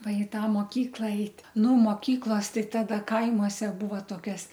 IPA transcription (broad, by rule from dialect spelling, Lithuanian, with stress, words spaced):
ˈʋɐ ɪ ˈtɑː moːˈkʲiːklˠɐ ˈɛɪtʲ nʊ moːˈkʲiːklˠoːs ˈtɐɪ ˈtɑːdɐ ˈkɐɪmuɔsʲɛ ˈbuːʋɐ toːˈkʲɛs